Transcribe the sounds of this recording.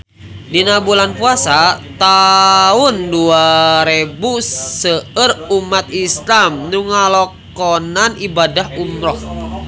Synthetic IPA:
dinabulanpuasat̪aʊnduaɾebusəərumat̪̚islamnuŋalɔk | ɔnanibadahumɾɔh

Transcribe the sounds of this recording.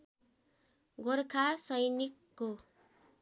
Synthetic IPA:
ɡorkʰasʌjnikːo

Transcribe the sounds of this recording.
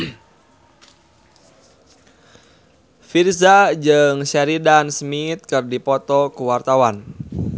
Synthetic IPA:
firzad͡ʒɨŋsɛɾidansəmit̪̚kɨrdipɔt̪ɔkuwart̪awan

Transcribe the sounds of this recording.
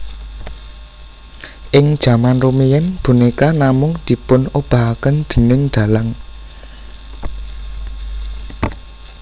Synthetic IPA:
ʔɪŋd̥ʒ̥ä̤manrumijɛnb̥ṳnekanamʊŋd̪̥i̤pʊnob̥a̤ɦakənd̪̥ə̤nɪŋd̪̥ä̤laŋ

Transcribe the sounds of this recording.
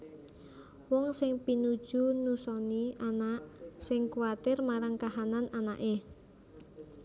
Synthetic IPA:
wɔŋsɪŋpinud̥ʒ̥unusɔniʔanaʔsɪŋkuwat̪ɪrmaɾaŋkaɦanananaʔe

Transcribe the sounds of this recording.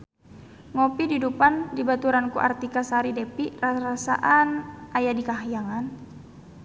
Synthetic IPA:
ŋopididupandibat̪uɾankṵʔa̰rt̪ikasaɾidepiʔraɾasa̰ʔanajadikaɦjaŋan

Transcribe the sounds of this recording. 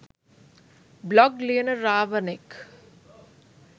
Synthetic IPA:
blɔɡleːnəːaːʋənek

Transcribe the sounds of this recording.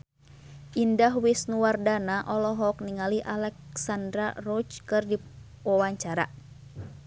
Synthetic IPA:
ʔindaɦwisnuwardanaʔɔlɔɦɔk̚niŋaliʔalɛk̚sandɾarɔt͡ʃkɨrdi | wawaɲt͡ʃaɾa̰

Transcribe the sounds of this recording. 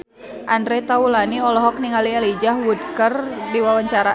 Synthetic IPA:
ʔandɾɛt̪aulaniɔlɔɦɔk̚niŋalialid͡ʒahwud̪̚kərdiwawaɲt͡ʃaɾa

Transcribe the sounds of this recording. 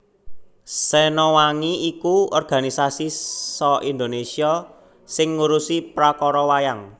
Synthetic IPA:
sɛnɔwaŋiikuɔrɡ̥a̤nisasisɔʔind̪onesia | sɪŋːuɾusipɾakɔɾɔwajaŋ

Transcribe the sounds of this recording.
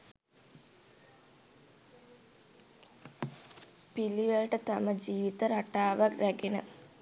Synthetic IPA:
piliʋəlʈət̪aməd͡ʒiːʋit̪əɾaʈaːʋakɾæɡenə

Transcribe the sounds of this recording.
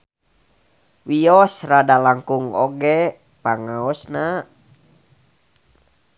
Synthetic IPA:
wiɔsradalaŋkuŋɔɡɛ | paŋaɔsna

